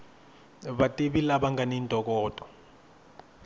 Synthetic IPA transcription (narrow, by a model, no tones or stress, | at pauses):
βatʼiɓilaɓaŋɡʱanintʼɔk̬ʼɔːtʼɔ̥